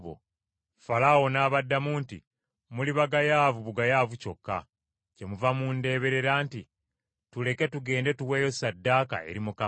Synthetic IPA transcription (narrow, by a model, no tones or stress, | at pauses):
o̰ | falawo̞naːβadːamuːntḭ | muliβaɡajaːvuβuɡajaːvuco̞kːa̰ | ce̞muvamunde̞ːβe̞ɾe̞ɾaːnti | tule̞ke̞tuɡe̞ːnde̞tuweːjo̞sadːaːka̰e̞̰ɾimuka